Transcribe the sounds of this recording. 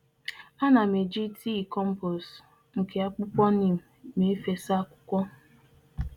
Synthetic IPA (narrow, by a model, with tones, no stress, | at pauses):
a˦na˨me˨d͡ʒi˦tʰi˦i˨kɔ˦m̩˦pɔ˨s | ŋ̩˨ke˨a˦k͡pʊ˦kʷɔ˦ni˦˨m̩˨me˨e˦fe˨sa˦kʷʊ̥˦kʷɔ˦